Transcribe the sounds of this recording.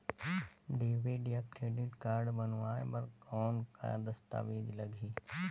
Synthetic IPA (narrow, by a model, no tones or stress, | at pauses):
ɖeːʋeɖijakkɾeːɖɪʈkaːɾɖbɐnʋaːḛpɐɾkɔːnka̰d̪ɐst̪a̰ːʋiːd͡ʒlɐɡʱiː